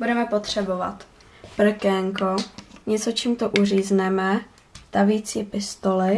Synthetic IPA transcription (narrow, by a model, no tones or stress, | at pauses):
budɛmɛpot̪r̝̥ɛbo̞va̰t̪ | pr̩kɛŋkoɲɛt͡so̞t͡ʃiːmt̪oʔur̝iːznɛmɛ | t̪aviːt͡siːpɪst̪olɪ